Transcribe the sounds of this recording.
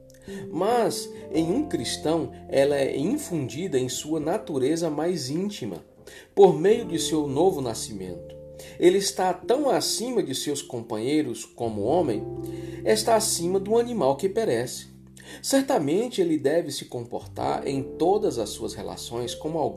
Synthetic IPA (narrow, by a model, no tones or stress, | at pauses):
mɐzẽj̃ũkɾist̪ɐ̃w̃ɛlɐɛĩfũnd͡ʒid̪ɐẽj̃suɐnat̪uɾezɐmajzĩnt͡ʃimɐ̰ | poɾmejʊd͡ʒɪsewnovʊnasimḛ̃nt̪ʊ̥ | elɪːst̪at̪ɐ̃w̃asĩmɐd͡ʒɪsewskõmpɐ̃ɲejɾʊskõmʊ̰õmḛ̃j̃est̪aːsĩmɐd̪ũɐnĩmawkɪpɛɾɛsɪ̥ | sɛɾt̪amẽnt͡ʃɪelɪd̪ɛvɪsɪ̥kõmpo̰ɾt̪a̰ɾḛ̃j̃t̪od̪ɐzɐsuɐshela̰sõj̃skõmʊawɡ̃